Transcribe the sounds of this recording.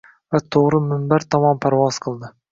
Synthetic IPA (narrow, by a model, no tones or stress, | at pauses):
vat̪ʰoʁɾɪmɪmbaɾt̪ʰɒmɒnpʰaɾvɒzqʰɨlˠd̪ɪ